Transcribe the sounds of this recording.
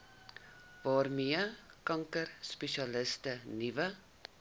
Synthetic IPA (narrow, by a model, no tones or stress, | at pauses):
vɑːrmiəkɐŋkərspɛʃiɑləstənivə